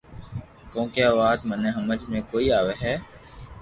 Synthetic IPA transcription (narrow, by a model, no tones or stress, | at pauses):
kõːkjaʋaːd̪mənẽɦəməd͡ʒmẽːkoːiːaːʋeɦɛː